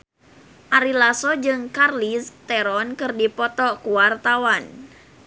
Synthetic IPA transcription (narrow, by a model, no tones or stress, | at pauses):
ʔaɾilasɔd͡ʒɨŋkarlist̪ɛɾɔnkɨrdipɔt̪ɔkuwart̪awan